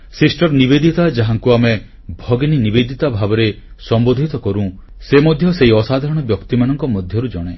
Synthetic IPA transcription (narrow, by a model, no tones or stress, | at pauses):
sisʈɔɾnibed̪ʱit̪ad͡ʒaɦaŋkuame | bʱɔɡninibed̪ʱit̪abʱabɔɾe | sɔmbod̪ʱit̪ɔkɔɾũ | semɔd̪ʱjɔseiɔsad̪ʱaɾɔɽ̃ɔbjɔkt̪imanɔŋkɔmɔd̪ʱjɔɾud͡ʒɔɽ̃e